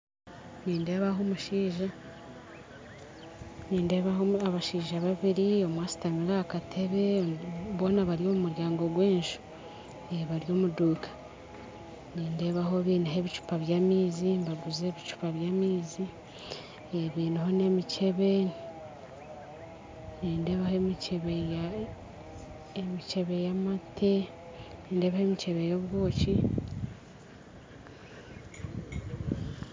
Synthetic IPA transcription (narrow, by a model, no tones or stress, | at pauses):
niːnde̞ːβaɦomuʃiːʒa | niːnde̞ːβaɦoaβaʃiːʒaβaβiɾio̞mwaːsi̥tamiɾakatʰe̞βeβo̞ːnaβaɾjo̞ːmumuɾjaːŋɡo̞ɡweːnʃu̥ | eβaɾjo̞ːmuduːkʰḁ | niːnde̞ːβaɦo̞βiːnaɦe̞βit͡ʃu̥paβjamiːzimbaɡuze̞βit͡ʃu̥paβjaːmiːzi | eβiːniho̞ne̞mice̞βe̞ | niːnde̞ːβahoemiceβej | emit͡ʃeβejamatʰe | niːnde̞βahemit͡ʃeβe̞jo̞βwo̞ːci